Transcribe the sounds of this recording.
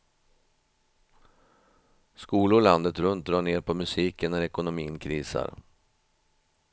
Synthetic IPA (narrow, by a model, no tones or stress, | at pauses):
skuːlʊland̪ət̪ɾɵnt̪̚d̪ɾɑːɳeːɾpʰɔmɵsiːkənːæɾɛkʊnʊmiːənkʰɾiːsa̰ɾ